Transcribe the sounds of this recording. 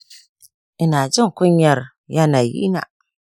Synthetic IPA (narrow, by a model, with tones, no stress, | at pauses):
i˨na˨d͡ʒo˦ŋ˨ku˦ɲja˨ɾ | ja˦na˨jḭ˦na̰˨